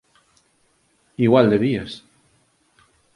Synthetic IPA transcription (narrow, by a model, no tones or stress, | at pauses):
iɣwald̪eβias